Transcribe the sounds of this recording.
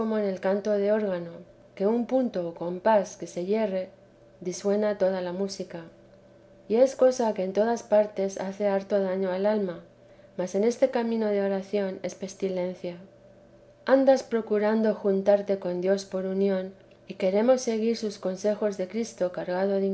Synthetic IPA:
omoene̞lkant̪o̞ð̞e̞o̞ɾɣ̞ano̞ | ke̞umpunt̪o̞ːko̞mpaske̞se̞ʝe̞re̞ | ðiswe̞nat̪o̞ðalamusika | ie̞sko̞sake̞ːnt̪o̞ð̞aspaɾt̪e̞sa̰θe̞aɾt̪o̞ð̞aɲo̞alalma | mase̞ne̞st̪e̞kamĩno̞ðe̞o̞ɾaθjo̞ne̞spe̞st̪ile̞n̟θja | and̪aspɾo̞kuɾand̪o̞xunt̪aɾt̪e̞ko̞nd̪jo̞spo̞ɾunjõ̞n | ike̞ɾe̞mo̞sːe̞ɣ̞iɾsusko̞nse̞xo̞zðe̞kɾist̪o̞kaɾɣað̞o̞ði

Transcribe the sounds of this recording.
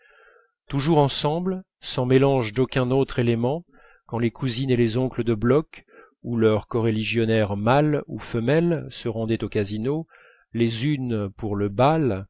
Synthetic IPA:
t̪uʒuʁɑ̃sɑ̃bl | sɑ̃melɑ̃ʒd̪okʲɛ̃not̪χelemɑ̃ | kɑ̃lekʰuzinelezɔ̃kləd̪əblɔk | ulœʁkɔʁeliʒjɔnɛʁmalṵfəmɛlsəʁɑ̃d̪ɛt̪okazino | lezynpuʁləbal

